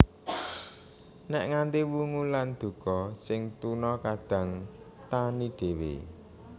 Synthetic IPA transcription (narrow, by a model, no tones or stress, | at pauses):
nɛʔŋant̪iwuŋuland̪̥ṳkɔsɪŋt̪unɔkaɖ̥ä̤ŋ | t̪aniɖ̪̥e̤wḛ